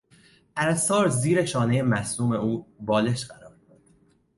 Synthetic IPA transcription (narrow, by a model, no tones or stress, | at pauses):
ʔæɾæsɒːɾziːɾe̞ʃɒːne̞je̞mæsluːme̞uːbɒːle̞ʃɢæɾɒːɾd̪oɾd̪̥